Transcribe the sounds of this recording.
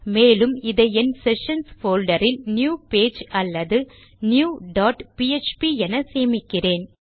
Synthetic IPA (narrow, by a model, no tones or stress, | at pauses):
meːlɯmɪðɐjɛnsɛʂɐnsfoːlɖɐɾɪlnjuːpeːd͡ʒɐlːɐðɯ | njuːɖaːʈpiet͡ʃpiɛnɐseːmɪkːɪreːn